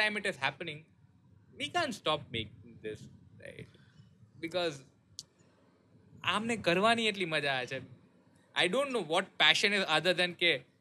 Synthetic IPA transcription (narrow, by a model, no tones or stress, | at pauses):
ãɪ̃mɪʈɪzɦæpənɪ̃ŋ | ʋikãːnʈsʈɔːp̚mek̚ɪ̃ŋd̪ɪsɾa̰ɪʈ | bɪkɔz | amnekəɾʋanieʈ̬liməd͡ʒaːet͡ʃʰe | ʔa̰ɪɖõːɳʈnoːʋɔʈ̚pæʃə̃nɪzʌd̪əɾd̪ɛ̃nke